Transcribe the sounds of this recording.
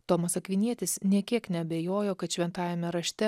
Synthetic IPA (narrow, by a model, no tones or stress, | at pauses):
t̪oːmɐsɐkʋʲɪnʲiɛt̪ʲɪsnʲiɛkʲiɛknʲɛɐbʲejoːjoːkɐt̪ʃʲʋʲɛnt̪ɑːjʲɛmʲɛɾɐʃʲt̪ʲɛ